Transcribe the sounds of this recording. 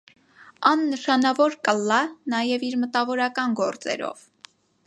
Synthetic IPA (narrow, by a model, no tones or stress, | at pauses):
ɑnːəʃɑnɑvɔɾkəlːɑnɑjɛviɾmət̪ɑvɔɾɑkɑnɡɔɾt͡sɛ̰ɾɔ̰v